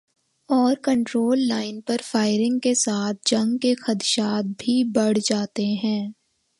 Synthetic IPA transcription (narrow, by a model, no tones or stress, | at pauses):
ɔːɾkə̃ɳʈɾoːlːaːɪnpɐɾfaːɪɾɪ̃ŋɡkesaːt̪̚ʰd͡ʒɐ̃ŋɡkexɐt̪ʃaːt̪̚bʱibɐɽ̤d͡ʒaːt̪eɦɛ̃ː